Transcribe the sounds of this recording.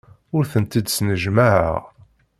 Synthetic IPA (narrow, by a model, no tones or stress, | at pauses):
ʊɾθənt̪id̪snəʒmaʕə̰ʁ